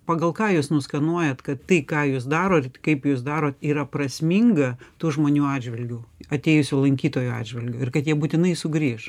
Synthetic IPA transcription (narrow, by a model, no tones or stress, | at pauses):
pɐɡɐlˠkɑːjusnʊskɐnuɔjɛt̪kɐt̪ːɐɪkɑːjuːsd̪ɑːɾoːtkɐɪpjuːs̬d̪ɑːɾoːt̪iːɾɐprɐsʲmʲiŋɡɐt̪uːʒmoːnʲuːɑːdʲd͡ʒʲʋʲɪlʲɡʲuɐt̪ʲeːjʊsʲʊlˠɐŋʲkʲiːt̪oːjʊɑ̰ːdʲd͡ʒʲʋʲɐlʲɡʲʊːɪrkɐt̪jiɛbuːt̪ʲɪnɐɪsʊɡɾʲiːʃ